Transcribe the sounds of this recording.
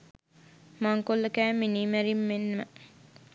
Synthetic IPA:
maŋkolːɐkæːmːiniːmæɾimːenːɐmə

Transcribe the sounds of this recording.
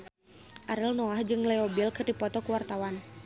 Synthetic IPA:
ʔaɾɛlnɔahd͡ʒɨŋlɛɔbilkɨrdipɔt̪ɔkuwart̪awan

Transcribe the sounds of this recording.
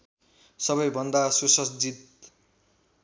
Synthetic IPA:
sʌbʌjbʱʌnd̪asosʌsd͡zit̪

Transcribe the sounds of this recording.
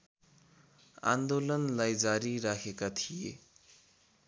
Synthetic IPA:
a̰nd̪olʌnlajd͡zaɾiɾakʰekat̪ʰije

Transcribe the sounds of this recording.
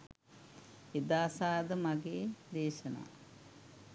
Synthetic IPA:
ed̪aːsaːd̪əmaɡeːd̪eːʃəna̰ː

